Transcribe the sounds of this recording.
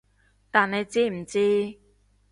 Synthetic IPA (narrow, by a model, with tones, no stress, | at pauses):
t̪aː˨ne˨˧jt͡siː˥m̩˨˩t͡siː˥